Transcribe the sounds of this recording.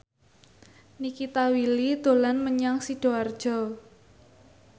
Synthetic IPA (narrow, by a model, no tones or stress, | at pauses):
nikit̪awilid̪̥o̤lanməɲaŋsiɖ̥o̤ard̥ʒ̥ɔ